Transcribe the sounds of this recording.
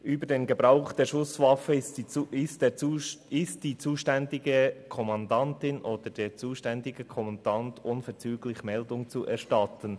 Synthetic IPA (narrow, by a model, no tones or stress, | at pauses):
ʔyːbədeːnɡəbɾaʊχd̥eːɾʃʊsvɑfəiɪstdeːɪst̚d̥iːt͡suːʃtɛndɪɡəkʰɔmɑndɑntɪnʔoːd̥əd̥eːɾt͡suːʃtɛndɪɡ̥əkʰɔmɑndɑntʔʊnfɛɾt͡syːɡlɪçmɛldʊŋt͡suʔɛɾʃtɑtən